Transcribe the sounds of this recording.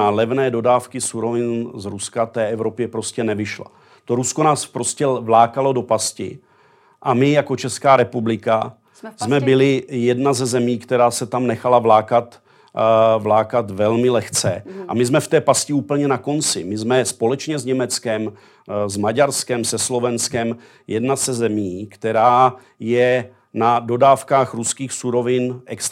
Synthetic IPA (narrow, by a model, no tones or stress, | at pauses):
alɛvnɛːdo̞daːfkɪsuɾo̞vɪnzɾuskat̪ɛːʔɛvɾo̞pjɛpɾo̞scɛnɛvɪʃla̰ | t̪o̞ɾuskonaːspɾo̞scɛvlaːkalo̞do̞pascɪ̰ | ʔamɪjako̞t͡ʃɛskaːɾɛpublɪka | zmɛbɪlɪjɛdnazɛzɛmiːkt̪ɛɾaːsɛt̪amnɛxalavlaːkat̪ | vlaːkat̪vɛlmɪlɛxt͡sɛʔa̰mɪzmɛft̪ɛːpascɪuːpl̩ɲɛnako̞nt͡sɪ̰mɪzmɛspo̞lɛt͡ʃɲɛzɲɛmɛt͡skɛm | zmaɟaɾskɛmsɛslo̞vɛnskɛm | jɛdnasɛzɛmiːkt̪ɛɾaː | jɛ | nado̞daːfkaːxɾuskiːxsuɾo̞vɪnʔɛks